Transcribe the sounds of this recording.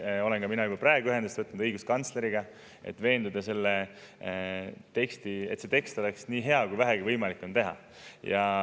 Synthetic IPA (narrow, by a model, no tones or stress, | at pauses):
o̞lenkɑminɑjub̥ɑpræeɡuyɦe̞nd̪est̪vɤt̪ːnud̪̥ɤjɡ̥uskɑnt̪sle̞ɾiɡɑ | ḛt̪ːˑve̞ːnd̪ud̪ɑse̞lːe | t̪e̞kst̪ie̞t̪se̞t̪e̞kst̪o̞leksniːɦe̞ɑkujvæɦeɡ̥ivɤjmɑlikːˑo̞nt̪eɦɑ̰ | jɑ